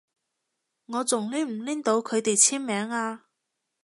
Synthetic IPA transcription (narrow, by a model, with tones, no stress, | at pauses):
ŋɔː˨˧t͡sʊ˨˩ŋliː˥m̩˨˩liː˥nt̪o˨˧wkʰɵ˨˧ɥt̪e˨jt͡sʰiː˥nmɛː˨˧˥ŋaː˧